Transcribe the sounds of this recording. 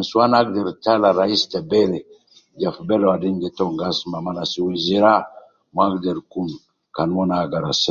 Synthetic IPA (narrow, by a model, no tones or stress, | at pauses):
isuwanaɡ̚dɛɾtalaɾaistabɛɾɛ | d͡ʒafbɛlwadɛnɡɛtɔŋɡasmamanasiweziɾa | maɡdɛɾkun | kanmɔnaɡaɾa̰s